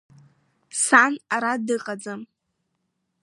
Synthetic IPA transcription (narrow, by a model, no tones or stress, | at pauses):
sanaɾadɨqʼad͡zam